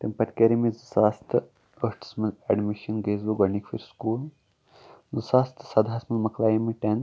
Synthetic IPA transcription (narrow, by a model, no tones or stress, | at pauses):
t̪empɐt̪kʲeɾimizɨsaːst̪ʰɨ | əʂʈsmɐlɛɖmiʃɐnɡeːzʋuɡɐnikfḭɾskuːl | zɨsaːst̪ʰɨ̥sɐd̪ʱaːsmɐlmɐkʰlaːjimiʈen